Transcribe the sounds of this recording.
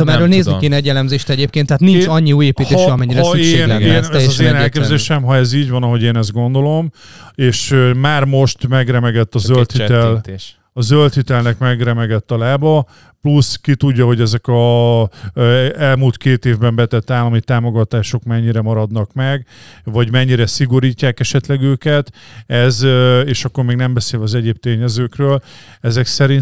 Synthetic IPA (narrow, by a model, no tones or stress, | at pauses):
mɛɾːøːlneːznieːnɛɟːɛlɛmzeːʃt̪ɛɟeːp̚keːnt̪ːɛaːt̪nit͡ʃɒɲːiuːjeːpiːt̪eːʃʃiɒmɛɲːiɾɛeːnɛɛzɒzeːnɛlkeːbzeːʃɛmɦɒɛziːɟvɒnɒɦo̞ɟeːnɛzd̪̚ɡo̞nd̪o̞lo̞m | eːʃmaːrmo̞ʃt̪mɛɡrɛmɛɡɛt̪ːɒzølt̪hiɛl | ɒzølt̪hit̪ɛlnɛkmɛɡrɛmɛɡɛt̪ːɒlaːbɒ | pluskit̪uɟːɒɦo̞ɟɛzɛkɒ | ɛlmuːlt̪keːt̪eːvbɛmbɛt̪ɛt̪ːaːlɒmit̪aːmo̞ɡɒt̪aːʃo̞kmɛɲːiɾɛmɒɾɒd̪nɒkmɛɡvɒɟmɛɲːiɾɛsiɡo̞ɾiːcːaːkɛʃɛt̪lɛɡøːkɛt̪ɛzeːʃɒkːo̞rmeːɡnɛmbɛseːlɒzɛɟeːb̚t̪eːɲɛzøːkrøːlɛzɛksɛɾin